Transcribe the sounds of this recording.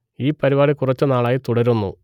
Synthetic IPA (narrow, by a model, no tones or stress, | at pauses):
iːpːɐɾiʋaːɽikurɐt͡ɕːɨnaːɭaːjit̪uɽɐɾunːṵ